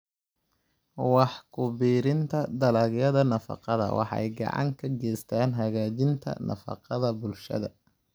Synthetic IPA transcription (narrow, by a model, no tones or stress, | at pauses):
wɑħkʰʊbiːɾɪnt̪ʰɐd̪ɐlɐɣjɐðɐnɐfɑ̰qɑðɐ̰wʔɑ̰ħɛ̰jɡɑ̰ʕɑ̰ŋkʰɐɡɛːst̪ʰaːnɦɐɣaːd͡ʒɪnt̪ʰɐ̰nɐ̰fɑ̰qɑðɐbʊlʃɐ̰ðɐ